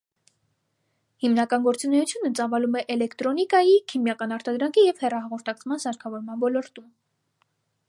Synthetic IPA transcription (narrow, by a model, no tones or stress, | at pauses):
himnɑkɑnɡɔɾt͡sunɛjut͡sʰjunət͡sɑvɑlumɛʔɛlɛkʰt̪ɾɔnikɑjikʰimjɑkɑnɑɾt̪ɑd̪ɾɑŋkʰijɛv̥hɛrɑɦɑʁɔɾt̪ʰɑkt͡sʰmɑnsɑɾkʰɑvɔɾmɑnvɔlɔɾt̪um